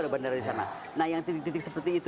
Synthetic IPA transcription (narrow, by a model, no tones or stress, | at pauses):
adabandardis̬ana̰ | nahjaŋt̪it̪k̚t̪it̪ɪksəpərt̪iːt̪